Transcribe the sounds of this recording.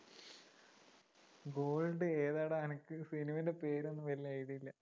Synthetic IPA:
ɡo̞ːlɖɨeːðaːɽeɐnɐkːɨsinimɐinde̞pe̞ːɾo̞nːɨʋɐliajiɽiilːɐ

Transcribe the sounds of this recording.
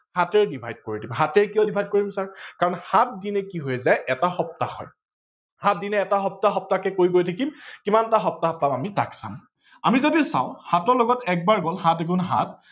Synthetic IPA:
hatɛɹɛdibʱajd̚koɹidimɦatɛɹkijɔdibʱajd̚koɹimsaɹkaɹɔnhat̚dinɛkiɦojzajʔɛtaxɔp̚taxɔ̰j | hat̚dinɛːtaxɔp̚taxɔp̚takɛkoɹiɡojtʰakimkimantaxɔp̚taɦɔp̚tamamitaksa̰m | amizodisã̰wʊ̃hatɔɹlɔɡɔtɛk̚baɹɡɔlɦatekunɦa̰t̚

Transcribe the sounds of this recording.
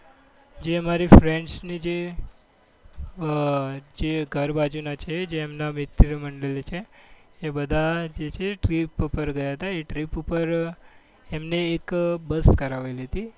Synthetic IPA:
d͡ʒeəmaɾifɾeɳɖsnid͡ʒe | d͡ʒeɡʱəɾbad͡ʒunat͡ʃʰed͡ʒeːmnamɪt̪ɾəməɳɖəlt͡ʃʰeː | bəd̪ʱad͡ʒet͡ʃʰeʈɾipupəɾɡəjaɦət̪aeʈɾipupəɾ | emneːkbəskəɾaʋeliɦət̪i

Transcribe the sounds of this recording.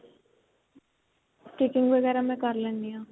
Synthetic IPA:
ʈeːkɪ̃ŋɡʋəɡɛːɾamɛ̃kəɾlɛ̃ːnːijãː

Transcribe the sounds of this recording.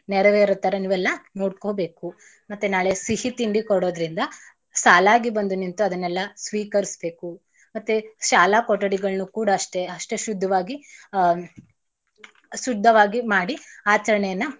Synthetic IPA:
nɛɾɐʋeːɾot̪ːɐɾɐniːʋɛlːɐnoːɽko̞ːbe̞ːku | mɐt̪ːenaːɭesihit̪iɳɖikɔɽoːd̪ɾind̪ɐ | saːlaːɡibɐnd̪unint̪uɐd̪ɐnːɛlːɐsʋiːkɐɾisbe̞ːku | mɐt̪ːeʃaːlakɔʈːɐɽiɡɐɭnukuːɽɐːʂʈe̞ɐʂʈeʃud̪ʱːɐʋaːɡi | sud̪ʱːɐʋaːɡimaːɽiaːt͡ʃɐɾɐɳɛjɐnːɐ

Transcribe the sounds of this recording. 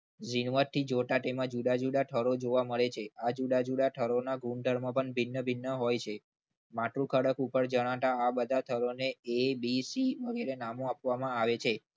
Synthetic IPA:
d͡ʒinʋəɾt̪ʰid͡ʒoʈaʈemãd͡ʒuɽad͡ʒuɽaʈʰəɾod͡ʒoʋaməɭet͡ʃʰead͡ʒuɖad͡ʒuɽaʈʰəɾonaɡuɳɖəɾmãpəɳbʱinːəbʱɪnːəɦojt͡ʃʰe | maʈɾukʰəɽəkupəɾd͡ʒəɽ̃ãt̪aabəd̪ʱat̪ʰəɾoneebisiʋəɡeɾenamoapʋamãaʋet͡ʃʰe

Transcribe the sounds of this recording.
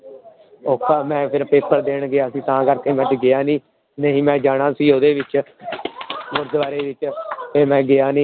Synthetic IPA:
oːkaːmɛ̃ːpʰɪɾpeːpəɾd̪eːɳɡɪaːsĩːt̪ãːkəɾkeːmɛ̃ːʈɪɡɪaːnĩː | nəɦĩːmɛ̃ːd͡ʒaːɽ̃ãːsiːoːd̪eːʋɪt͡ʃ | mʊɾd̪ʋaːɾeːʋɪt͡ʃeːmɛ̃ːɡɪaːnĩː

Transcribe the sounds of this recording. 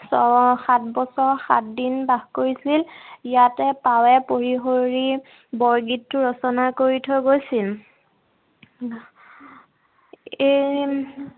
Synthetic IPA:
sɔxat̚ʰbɔsɔɹxa̰tdinbaxkoɹisilijatɛpawɛpoɹiɦoɹi | bɔɹɡitʰːʊɹɔsɔnakoɹitʰɔjɡojsil | e

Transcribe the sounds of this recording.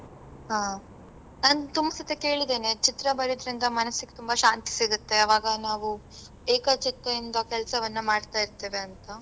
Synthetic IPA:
ɦaː | naːnt̪umɐsɐt̪eke̞ːɭid̪e̞ːne̞t͡ʃit̪ɾɐbɐɾid̪ɐɾind̪ɐmɐnɐsːiɡet̪umbɐʃaːnt̪i̥siɡut̪ːe̞ɐʋaːɡɐnaːʋu | eːkɐt͡ʃit̪ɾɐind̪ɐkɛlsɐʋɐnːɐmaːɖt̪aːjiɾt̪ːe̞ːʋe̞ɐnt̪ɐ

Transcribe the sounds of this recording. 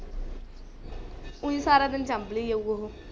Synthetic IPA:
ʊ̃ĩːsaːɾaːd̪ɪnt͡ʃambliːjeuoɦoː

